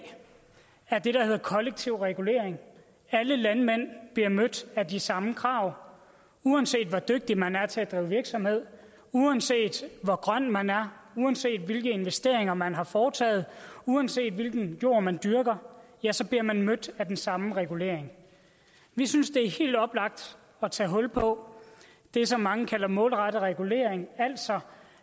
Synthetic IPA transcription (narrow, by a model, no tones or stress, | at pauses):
æɐd̥e̝ɾ̥ɑ̈he̝ðˠɐkʰɒ̽leɡ̥̚t͡sʰiʊ̰ʁɛɡ̥ule̝̰ɐ̰eŋ | æləlænmen̰b̥liɐmød̥ædisɑ̈məkʰʁɑ̈ːʊ̰ | uænse̝̰ːd̥ʋɒd̥øɡ̥̚d̥imænæɐt͡sʰe̝æd̥ʁḭːʊʋiɐɡ̥sɒ̽mhe̝ð̞̰ˠ | uænse̝̰ːd̥ʋɒɡ̥ʁɶn̰mænæɐuænse̝̰ːd̥ʋe̝lɡ̥əe̝nʋesd̥e̝ɐ̰e̝ŋɐmænɦɑ̈fɒːt͡sʰɛ̰ːð̞̩ˠuænse̝̰ːd̥ʋe̝lɡ̥n̩jo̝̰ːɐmænd̥yɐɡ̥ɐjæsɒ̽b̥liɐmænmød̥æd̥ensɑ̈məʁɛɡ̥ule̝̰ɐ̰eŋ | ʋisynsd̥e̝æɐhe̝̰ːld̥ɒ̽b̥lɑ̈ɡ̥̚d̥ | ɒ̽t͡sʰɛ̰ːɦɔ̽lpʰɒ̽ | d̥e̝sɒ̽mːɑ̈ŋəkʰælɐmɔ̰̽ːlʁɑɾ̥əʁɛɡ̥ule̝̰ɐeŋæl̰̥sɒ̽